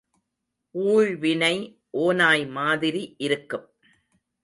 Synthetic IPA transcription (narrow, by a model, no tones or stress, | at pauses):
uːɻʋɪnɐɪ | ʔoːnaːjmaːðɪɾiʔɪɾɯkːɯm